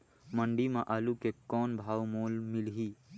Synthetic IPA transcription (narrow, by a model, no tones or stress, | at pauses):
mə̃ɳɖimãʔaːlukekɔːnbʱaːwmoːlmɪlɦiː